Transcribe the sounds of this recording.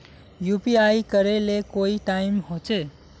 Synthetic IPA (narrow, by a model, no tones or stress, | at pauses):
jupiajkʌɾelekoiʈaimhot͡ʃe